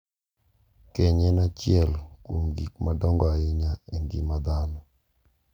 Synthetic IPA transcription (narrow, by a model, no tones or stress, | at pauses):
kɛɲɛnat͡ʃjɛlkwomɡik̚madɔŋɡɔaɪɲaeŋɡḭmad̪anɔ